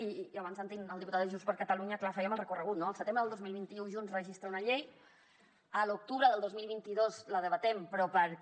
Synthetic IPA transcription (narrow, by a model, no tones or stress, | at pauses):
iaβansant̪inəlˠd̪iput̪at̪əʒunspəɾkat̪aluɲəklafɛiəməlˠrəkurəɣut̪noəlˠsət̪embɾəðəlˠd̪ozmilˠβint̪iuʒunzrəʒist̪ɾaunaʎej | əluk̚t̪uβɾəðəlˠd̪ozmilˠβint̪iðozləðəβət̪ɛmpɾɔpəɾ